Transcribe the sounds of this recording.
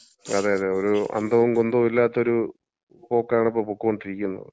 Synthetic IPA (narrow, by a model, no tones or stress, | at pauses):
ɐðaːjɐðeoɾuɐ̰nd̪ʱɐʋumkond̪omilːaːt̪ːo̞ɾu | po̞ːkːaːɳipːoːpukːukoɳɖiɾikʲːunːɐ̰ðɨ